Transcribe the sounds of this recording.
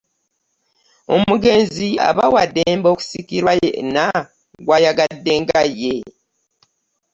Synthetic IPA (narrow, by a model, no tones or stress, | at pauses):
o̞̰muɡe̞ːnzia̰βawadeːmbo̞ːku̥sikiɾwajḛna | ɡwajaɡadːe̞ːŋɡajːe̞